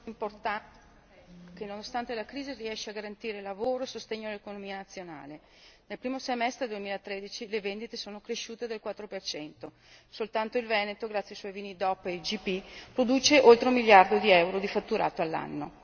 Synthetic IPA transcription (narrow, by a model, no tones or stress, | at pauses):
import̪a | kenːonost̪ant̪elakɾiːziriɛʃːeaɡaɾant̪iːɾelavoːɾoesost̪eɲːoalːekonomiːanat̪sːjona̰ːle | nelpɾiːmosemɛst̪ɾed̪uemiːlaet̪ːɾed̪it͡ʃilevend̪it̪esoːnokɾeʃuːt̪ed̪elkwat̪ːɾopert͡ʃɛnt̪o | solt̪ant̪oilvɛːnet̪oɡɾat̪sjaiswɔjviːnid̪ɔpːed͡ʒipipɾod̪uːt͡ʃeʔolt̪ɾomiljard̪od̪iɛwɾod̪ifat̪ːuɾa̰ːt̪oalːa̰nːo